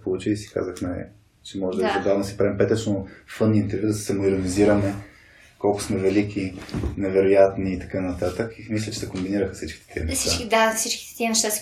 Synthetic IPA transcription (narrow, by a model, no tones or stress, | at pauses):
polˠut͡ʃiisi̥ka̰zəxnaj̰ | t͡ʃɛmɔʒɛd̪zɐb̪avnɐsi̥pɾɛmpɛt̪ət͡ʃnofɤnːiint̪ɛɾvʲjud̪ɐsɛ̥sɛmoiɾoniziɾɐmɛ | kɔlˠkʊ̥smɛvɛlikʲʰinɛvɛɾojat̪niːt̪ɐ̥kanɐt̪at̪əkimislʲɐt͡ʃɛ̥sɛkombiniɾəxəsit͡ʃk̟i̥t̪ɛ̥t̪ʰiə̰nɛsʃsiat͡ʃkid̪afsit͡ʃkʲi̥t̪ɛ̥t̪iənɛʃt̪as